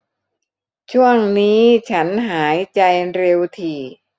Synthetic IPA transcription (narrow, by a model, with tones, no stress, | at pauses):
t͡ɕʰu˥˩əŋniː˦˥t͡ɕʰa˦˥nɦaː˩˦jt͡ɕa˧jɾe˧wt̪ʰiː˨˩